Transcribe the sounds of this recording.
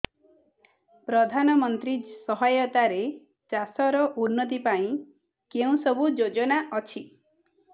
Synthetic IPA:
pɾɔd̪ʱanɔmɔnt̪ɾisɔɦajɔt̪aɾe | t͡ʃasɔɾɔʔunːɔt̪̬ipaĩ | keũsɔbʱud͡ʒod͡ʒɔnaʔɔt͡ʃʰi

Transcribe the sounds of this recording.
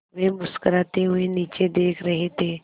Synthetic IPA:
ʋebʊskəɾaːt̪eɦʊeniːt͡ʃed̪eːkʰɾɐɦet̪ʰeː

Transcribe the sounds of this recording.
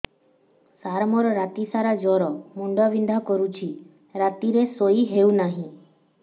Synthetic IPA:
saɾmɔɾɔɾat̪isaɾad͡ʒɔɾɔmuɳɖɔʋind̪ʱakɔɾut͡ʃʰi | ɾat̪iɾesoiɦeunaɦĩ

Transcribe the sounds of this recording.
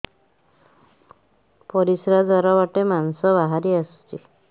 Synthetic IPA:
pɔɾisɾad͡zɔɾɔbaʈemansɔβaɦaɾiast͡ʃi

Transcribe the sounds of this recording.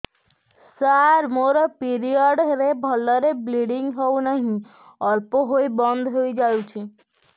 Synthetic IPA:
saɾmoɾɔpiɾiɔɖɾebʱɔlɔɾebliɽiŋɡɦɔwnaɦĩ | ɔɾpoɦoibɔnd̪ʱɦoid͡ʒawt͡ʃʰi

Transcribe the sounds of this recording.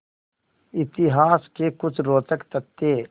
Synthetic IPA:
ɪt̪ɪɦaːskekʊt͡ʃʰɾoːt̪əkt̪ət̪ːe

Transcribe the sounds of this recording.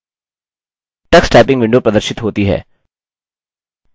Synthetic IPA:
ʈɐksʈɛːpɪ̃ŋɡʋɪ̃ɳɖopɾɐd̪əɾʃɪt̪ɦoːt̪iɦɛ̰ː

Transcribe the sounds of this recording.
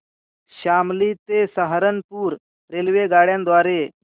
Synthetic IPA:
ɕamlit̪esəɦaɾənpuːɾ | ɾelʋeɡaɽjãnd̪ʋaɾe

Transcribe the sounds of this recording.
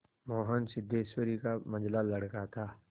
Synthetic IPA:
moːɦənsɪd̪ːeːswəɾikamɐ̃nd͡ʒlalɐɽkat̪ʰaː

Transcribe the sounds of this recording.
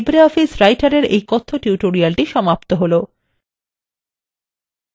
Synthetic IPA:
bɾeɔfisɾajʈaɾeɾḛjkɔt̪ʰːoʈjuʈoɾialʈiʃɔmapt̪oɦolo

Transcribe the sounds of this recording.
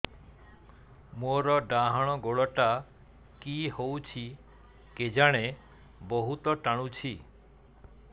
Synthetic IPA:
moɾɔɖaɦɔɽ̃ɔɡoɭɔʈa | kiɦowt͡ʃʰi | ked͡ʒaɽ̃e | bɔɦut̪ɔʈaɽ̃ut͡ʃʰi

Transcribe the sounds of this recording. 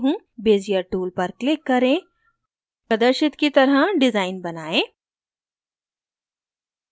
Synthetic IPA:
ɦũ | beːzijəɾʈuːlpɐɾklɪkːɐɾẽː | pɐd̪əɾʃɪt̪kit̪ɐɾɦəɖɪzaːɪnbɐnaːẽː

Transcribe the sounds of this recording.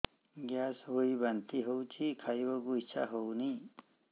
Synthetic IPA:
ɡjaːsɦoibɐnt̪iɦowt͡ʃʰikʰajbɐɡuit͡ʃʰa̰ɦowni

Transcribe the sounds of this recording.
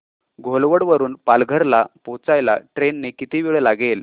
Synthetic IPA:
ɡʱolʋəɽʋəɾuːnpalɡʱəɾlapot͡sajla̰ʈɾenːekit̪iːʋiɭəlaɡel

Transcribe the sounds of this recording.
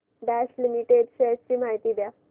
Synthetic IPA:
ɖaslimiʈeɖɕet̪̚t͡ɕiːmaɦit̪iːd̪ja

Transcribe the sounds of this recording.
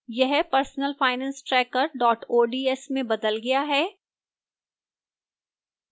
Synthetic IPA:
jɛɦpɐɾsnəlfaːɪnɛ̃ːnsʈɾɛːkəɾɖɔːʈoːɖiːɛsmẽbɐd̪əlɡɐjaɦɛː

